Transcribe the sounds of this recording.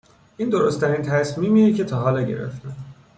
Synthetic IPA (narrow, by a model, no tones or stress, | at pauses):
ʔiːnd̪o̞ɾost̪ʰæɾint̪ʰæsmiːmiːjecʰe̞t̪ʰɒːɦɒːlɛɟe̞̰ɾḛft̪e